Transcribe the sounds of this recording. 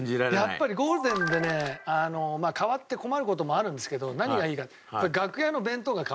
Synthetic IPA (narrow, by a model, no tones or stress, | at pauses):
iɾajapːaɾʲiɡo̞ːɾɯ̟d̪ẽ̞nd̪e̞ne̞ano̞maːkaβat̪ːe̞ko̞maɾɯ̟ko̞t̪omo̞aɾɯ̟nd̪esɨ̥ke̞d̪o̞naɲ̟iɡaiːkat̪jpaiɡakɯ̟jano̞bẽ̞nt̪oɡaka